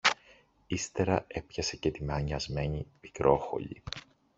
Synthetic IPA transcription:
ist̪e̞ɾɐe̞pçɐse̞cet̪imeɐɲɐzme̞ɲimikɾʔo̞xo̞̰ʎḭ

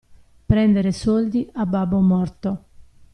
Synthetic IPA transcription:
pɾɛnd̪eɾesɔld̪iabːabːomɔrt̪o

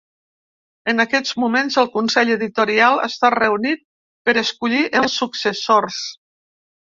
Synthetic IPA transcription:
ənakɛd͡zmumenzəlˠkunsɛʎəðit̪uɾialˠə̰st̪arəunit̪̚ | pəɾəskuʎiʔəlˠsːuksəsors

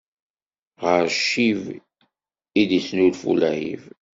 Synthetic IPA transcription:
ʁəɾʃːiv | id̪isnulfṵlæhḭv

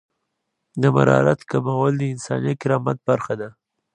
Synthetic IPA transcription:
d̪əma̰ɾɑ̰ɾat̪kamawəld̪əɪnsɑ̰njakɪɾɑmat̪̚b̥aɾxad̪a

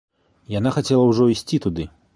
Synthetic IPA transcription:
jan̪axat͡sʲɛlˠɐwʐɔisʲt͡sʲit̪ud̪ɨ

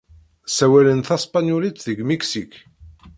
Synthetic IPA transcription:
sæwælənθæspanjulit̪ðəɡmiksik

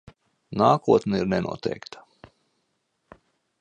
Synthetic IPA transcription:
naːkuɔt̪nɛiɾnɛnʔṵɔt̪ɛ̰jkt̪ḁ

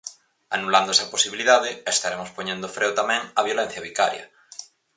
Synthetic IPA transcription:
anuland̪oesɐposiβiliðaðɪest̪aɾemospoɲẽnd̪ofɾewt̪amɛ̃ŋɐβjolen̟θjɐβikaɾjɐ̰

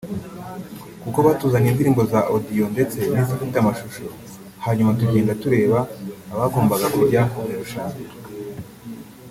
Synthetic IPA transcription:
kuko̞βaːtuːzaɲindiɾiːmbo̞zaʔodijo̞nde̞t͡se̞nizifitamaʃuʃo̞ | haːɲumatuɟeːndatuɾe̞ːβaːβaːɡoːmbaɡakuɾuɾɟaːŋoɾiɾuʃaɲ

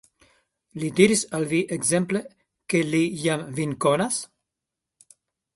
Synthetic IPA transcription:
lid̪iɾisalviʔeɡzemple | kelijamviŋkonas

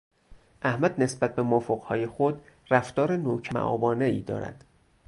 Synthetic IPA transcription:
ʔæhmæd̪ne̞sbæt̪̚ʰbe̞mofoɢhɒːjexod̪ | ræft̪ɒːɾenoːcʰæmæ̰ʔɒ̰ːbɒːne̞iːd̪ɒ̰ːɾæ̰d̪̥

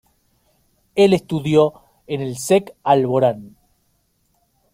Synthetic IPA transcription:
elest̪uðjo | enelsekalβoɾan

